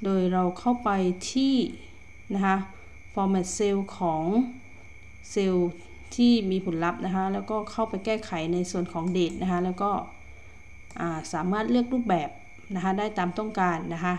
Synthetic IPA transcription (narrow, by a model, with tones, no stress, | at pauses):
doː˧jɾa˧wkʰa˥˩wpa˧jt̪ʰiː˥˩ | na˦˥kʰa˦˥ | fɔː˧mɛ˧˩t̪̚se˧wkʰɔː˩˦ŋ | se˧w | t̪ʰiː˥˩miː˧pʰu˩˦nla˦˥p̚na˦˥kʰa˦˥lɛː˧˥˩wkɔː˥˩kʰa˥˩wpa˧jkɛː˥˩kʰa˩˦jna˧jsu˨˩ənkʰɔː˨˩˦ŋdeː˨˩t̪̚nʔa˦˥kʰa˦˥lɛː˧˥˩wkɔː˥˩ | ʔaː˨˩saː˩˦maː˥˩t̪̚lɯ˥˩ək̚luː˥˩p̚bɛː˨˩p̚ | na˦˥kʰa˦˧˥daː˥˩jt̪aː˨mt̪ɔ˥˩ŋkaː˧nːa˦˥kʰa˦˥ʔ